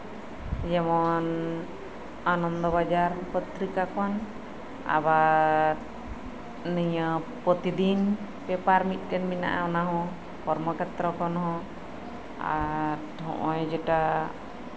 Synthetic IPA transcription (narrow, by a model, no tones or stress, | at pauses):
d͡ʒɛmɔn | anɔnd̪ɔβad͡ʒaɾpət̪ɾikakɔn | a̰βaɾ | niɲəpɔt̪id̪in | pɛpaɾmit̪̚ˀɗɛnmina̰ʔa̰ɔnaɦɔ̃ | pɔɾmɔkɛt̪ɾɔkɔnɦɔ̃ | a̰ɾhɔ̰̃ʔɔjd͡ʒɛʈa